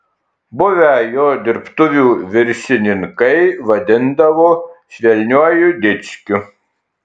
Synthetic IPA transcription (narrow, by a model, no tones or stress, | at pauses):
bʊʋʲɛjoːd̪ʲɪɾpt̪ʊʋʲuːʋʲɪɾʲʃʲɪnʲɪŋkɐɪʋɐd̪ʲɪnd̪ɐʋoːʃʲʋʲɛlʲnʲuɔjʊd̪ʲɪt̪sʲkʲʊ